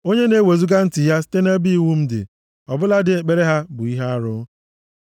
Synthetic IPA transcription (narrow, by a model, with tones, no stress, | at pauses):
o˦ɲe˦ne˦we˨zu˦ɡa˦n̩˦tɪ˨ja˦sɪ̥˦te˦ne˦bi˦˨wu˦m̩˦dɪ̰˨ | ɔ˨bʊ˦la˦dɪ˨e˨k͡pe˦ɾe˦ɦa˦bʊ˨i˦ɦa˦a˦ɾʊ˦